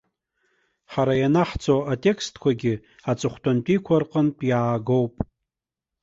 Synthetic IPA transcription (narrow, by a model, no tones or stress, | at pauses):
ħaɾajanaħt͡sʰʼoatʼe̞kʰstʰkʷʰaɡʲɪ | at͡sʼɨχʷtʰʼantʼikʷʰarqʼənpʼjaːɡo̞wpʼ